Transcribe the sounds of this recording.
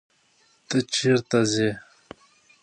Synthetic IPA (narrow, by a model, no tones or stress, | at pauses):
t̪ət͡ɕʰiɾt̪aze